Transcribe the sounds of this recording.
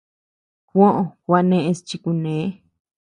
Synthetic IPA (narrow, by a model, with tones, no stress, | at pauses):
kʷõ˦ʔõ˧˨kwa˧nẽ˧ʔẽ˧st͡ʃi˧ku˧nẽ˨˦